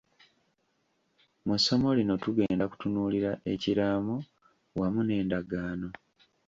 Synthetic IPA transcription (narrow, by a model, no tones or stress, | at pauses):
musːo̞mo̞lino̞tuɡe̞ːndaku̥tunuːliɾaʔe̞ciɾaːmo | wamune̞ːndaɡaːno̞